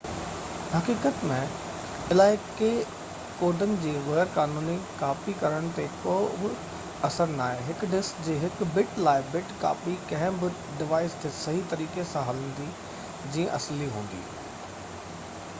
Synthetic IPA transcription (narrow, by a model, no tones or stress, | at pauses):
hɐkiːkət̪mẽ | ɪlaːɪke | koːɾɖənɪ̆d͡ʑiːɣɐjəɾkaːnuːnikaːfikɐɾəɽ̃t̪ekoːbɪ | ɐsəɾnaːɦeɦɪkɖɪskd͡ʑeːɦɪkbɪʈlaːɪbɪʈka̰ːfikɐ̃ɦɪ̃bɪ | ɖɪʋaːɪst̪ʰesɐɦit̪ɐɾiːkesãɦɐlə̃nd̪i | d͡ʑĩːə̃ʔɐsliɦũːn̆d̪ḭː